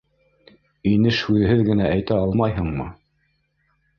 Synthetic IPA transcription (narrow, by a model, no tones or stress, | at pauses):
inɘʃhʉðɘ̆ɦɘðɡɘ̆næʔæjt̪æɑlˠmɑjɦɤɴmɤ